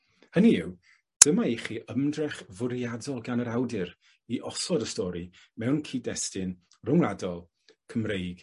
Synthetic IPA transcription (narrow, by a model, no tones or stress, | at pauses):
həniɪw | d̥əmaiχiːʔəmdrɛχvʊɾiadɔlˠɡanəɾawdɪɾ | iʔɔsɔdəstɔɾi | mɛwnkʰiːdɛstɪn | rʊŋlˠadɔlˠ | kʰəmrejɡ̥